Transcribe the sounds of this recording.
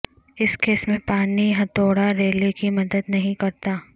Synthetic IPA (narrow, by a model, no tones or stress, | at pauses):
ɪskeːsmẽpaːniɦɐ̃t̪oːɽaɾeːlekimɐd̪əd̪nɐɦĩkɐɾt̪aː